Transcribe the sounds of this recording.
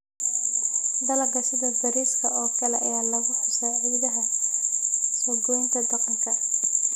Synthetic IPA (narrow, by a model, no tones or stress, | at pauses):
d̪ɐlɐɡɐsɪðɐd̪ɐɾiːskʰɐɔːkʰɐlɛʔɐjaːlɐɣʊħʊsɛjɐjðɐɦɐ | sɔɡɔɪŋkʰɐd̪ɑqɑŋkʰɐ